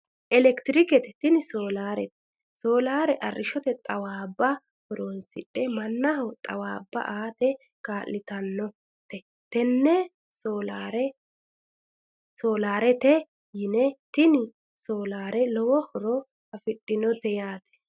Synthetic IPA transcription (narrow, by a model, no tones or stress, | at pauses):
ʔɛlɛkt̪ɪɾɪkɛt̪ɛ̥t̪ɪnɪsoːlaːɾɛ̰t̪ɛ̥ | soːlaːɾɛʔɐrːɪʃɔt̪ɛt̪ʼɐwaːbːɐ | hɔɾoːnsɪɗːɛmɐnːɐɦɔt̪ʼɐ̰waːbːɐ̰ʔaːt̪ɛ | kaːlːɪt̪ɐnːɔ | t̪ɛ | t̪ɛnːɛ | soːlaɾɛ | soːlaːɾɛt̪ɛ | jɪnɛt̪ɪnɪ | soːlaːɾɛlɔwɔhɔɾɔ | ɐfɪɗʼːɪnɔt̪ɛjaːt̪ɛ̥